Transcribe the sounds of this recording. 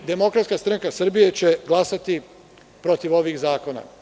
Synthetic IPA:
d̪e̞mo̞kɾat̪skast̪ɾaŋkasr̩bijet͡ɕeɡlˠasat̪i | pɾo̞t̪iʋo̞ʋiːxzaːko̞na̰

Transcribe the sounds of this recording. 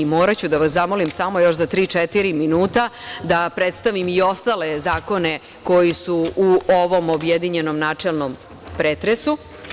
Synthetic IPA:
imoːɾat͡ɕud̪aʋasamo̞limsamo̞jo̞ʃzat̪ɾiːt͡ʂɛt̪iɾiminuːt̪ad̪apɾet̪st̪aʋimio̞st̪alezaːko̞ne̞ | ko̞jisuuoʋo̞mobjed̪iɲe̞no̞mnaːt͡ʂelˠnom | pɾeːt̪ɾesu

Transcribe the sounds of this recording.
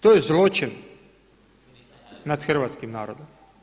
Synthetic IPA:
t̪ojezlot͡ʃɪn | nad̪xrʋaːt̪skimnaːɾod̪om

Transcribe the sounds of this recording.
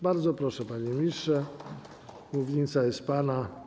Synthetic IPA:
baɾd̪zɔpɾɔʂɛpaɲɛmʲiʂɛ | muvʲjeɲt̪sajɛst̪̚pana

